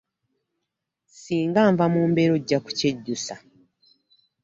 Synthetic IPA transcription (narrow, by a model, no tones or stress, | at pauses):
siːŋɡaːɱvamuːmbeɾo̞ɟːaku̥ce̞ɟːusa